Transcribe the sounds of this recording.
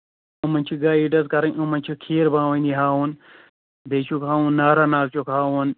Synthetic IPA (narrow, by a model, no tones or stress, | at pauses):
umɐnʲt͡ʃʰiɡaːiːɖɐzkɐɾɐŋumɐnʲt͡ʃʰikʰiːɾbãːʋɐ̃nd̪iɦaːwun | bet͡ʃʰukɦaːwũnːaːɾanaːkt͡ʃukaːwun